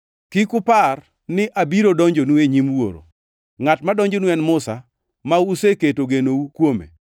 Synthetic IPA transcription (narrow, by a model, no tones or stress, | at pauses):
kikʊpar | nɪʔabiɾodɔɲd͡ʒonueɲimwo̰ɾo̰ | ŋatmadɔɲd͡ʒonwɛnmʊsa | mauseketoɡenoukwomḛ